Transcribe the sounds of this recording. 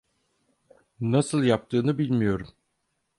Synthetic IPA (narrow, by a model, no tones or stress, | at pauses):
nasɯlˠjap̚t̪ʰɯːnɯbilʲmijo̞ɾum